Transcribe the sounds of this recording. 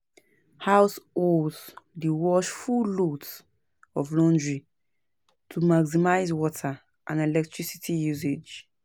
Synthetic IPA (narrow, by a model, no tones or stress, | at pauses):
haʊsozdiwɔʃfuluts | ɔvlɔ̃ndɹi | tʰumaɡsimaɪzwɔtʰa | ʔã̰nɛlɛk̚tɹisitʰijuzed͡ʒ